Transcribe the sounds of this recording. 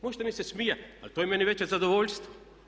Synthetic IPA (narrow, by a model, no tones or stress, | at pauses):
moʒd̪amisɛsmijaa̰lt̪ojɛmɛnivɛt͡ʃɛzad̪ovoʎʲst̪